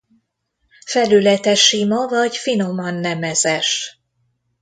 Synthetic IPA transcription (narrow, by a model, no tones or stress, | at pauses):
fɛlylɛt̪ɛʃimɒvɒɟfino̞mɒnːɛmɛzɛʃ